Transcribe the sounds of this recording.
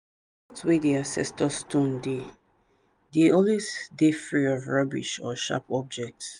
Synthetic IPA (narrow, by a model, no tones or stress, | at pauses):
twediãsɛ̰stɔstʰõnde | diolisdefɹiɔvɹɔbḭʃɔʃa̰pɔb̚d͡ʒɛk̚ts